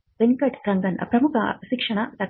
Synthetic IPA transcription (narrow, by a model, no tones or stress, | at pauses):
beŋkɐʈsɾɐŋɡɐnpɾɐmukʰɐʃikʂɐnɐt̪ɐ